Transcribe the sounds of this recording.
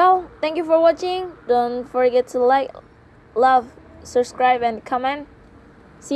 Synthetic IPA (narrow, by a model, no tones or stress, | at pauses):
wɛlˠθɛ̃ŋkjufɔɹwɔt͡ʃɪ̃ŋdoɔ̃nfɔɹɡɛtʰːulaɪk | lʌvsəbskɹaɪbɛ̃nkʰʌmɛ̃n | si